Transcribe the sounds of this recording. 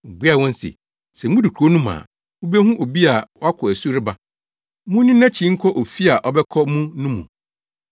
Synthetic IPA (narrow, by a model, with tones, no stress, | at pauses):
bu˦a˦˨wɔ̃˦n̩˦sɪ̰˨ | sɛ˨m˦ũ˦du˨kʰu˨o˦nũ˦mã̰ː˨ | ʊ˦be˦hũ˦ʔo˨bi˦a˨wɔ˦a˦kʰɔ˨æ˨su˦ɾɪ˦ba˦ | mʊ̃˦nĩ˦nã˦t͡ɕʰĩ˨˦ŋ̩˦kʰɔ˦ʔo˨fi˦a˨ʔɔ˨bɛ˦kʰɔ˦mũ˦nũ˦mṵ̃˨